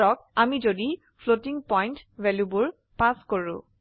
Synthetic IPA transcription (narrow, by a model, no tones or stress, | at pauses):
ɔk̚amizodi | pʰlotiŋpɔjntvɛljubʊɹ | paskoɹʊ̰̃